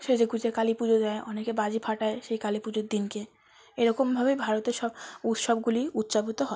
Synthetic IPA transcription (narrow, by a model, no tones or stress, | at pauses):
ʃed͡ʑeɡud͡ʑekalipud͡ʑod͡ʑaeʔɔnekebad͡ʑipʰaʈaeʃejkalipud͡ʑoɾd̪inke | eɾɔkombʱabebʱaɾot̪eɾʃɔbut̪ʃɔb̚ɡuliut̪ːʃabit̪oɦɔ